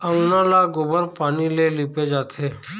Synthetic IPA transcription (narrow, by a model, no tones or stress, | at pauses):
ənãːlaɡobəɾpaːniːleːliːped͡ʒaːt̪ʰeː